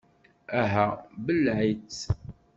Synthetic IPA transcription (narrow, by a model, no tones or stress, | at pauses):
æɦæbəlʕit͡sː